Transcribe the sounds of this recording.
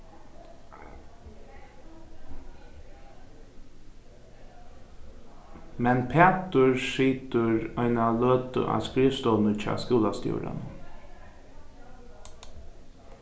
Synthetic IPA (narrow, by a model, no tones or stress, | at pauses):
mɛnpʰeːt̪əɹʂiːt̪əɹɔɪnaløːt̪ə̰ʔa̰ːskɾiːʋst̪ɔːnət͡ʃɑ̰ːskuːlast̪jṵːɾa̰nə